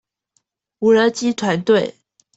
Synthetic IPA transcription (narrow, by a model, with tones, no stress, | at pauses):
u˨˥lə˧˥t͡ɕi˥t̪ʰwa˧˦nt̪we˥˨ɪ